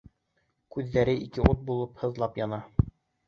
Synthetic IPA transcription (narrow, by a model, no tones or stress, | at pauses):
kʉðːæɾɘʔikɘʔot̪̚bulˠɤphɤ̆ðlˠɑpjɑnɑ